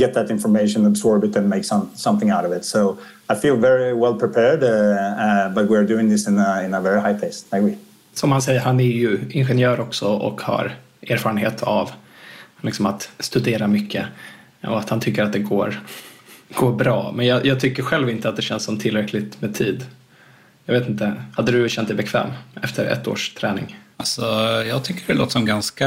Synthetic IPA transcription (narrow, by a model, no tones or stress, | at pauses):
ɡ̥ɛt̪̚ðɨɾɪ̃nfə˞meɪʃə̃nəbzɔɹbɨɾɨ̃nmeɪksʌ̃msʌ̃mθɪ̃ŋaʊɾʌvɪtsoʊ | aɪfilˠvɛɹiwɛlˠpʰɹ̥ɨpʰɛɹd | bʌt̚wiə˞dʉɪ̃ŋðɪsɨ̃nəɪ̃nəvɛɹihaɪpʰeɪsmeɪbi | sɔmhansɛjːəɾhanɛɾjɵɪnɧɛnjœːɾɔksɔɔ̰kha̰ɾ | ʔeːɾfɑːɾənɦeːt̪ʰa̰v | lɪksɔmat̪st̪ɵd̪eːɾamʏkʰːə | ɔ̰at̪hant̪ʰʏkːəɾat̪̚d̪ɛɡoːɾ | ɡ̥oːɾbɾɑ̰ːmɛnjɑːjʔɑːɡ̚t̪ʰʏkːəɾɧɛlvɪnt̪əat̪̚d̪ɛɕɛnsɔmt̪ʰɪlɾɛkʰlɪt̪meːt̪ʰiːd̪ | jɑːɡveːt̪ɪnt̪əhad̪ːəd̪ɵɕɛnt̪̚d̪ɛɪbɛkʰvɛ̰ːmɛft̪əɾɛ̰t̪ːo̰ːʂt̪ʰɾɛːnɪ̰ŋalsɔjɑːɡ̚t̪ʰʏkːəɖɛlo̰ːt̪sɔmɡanska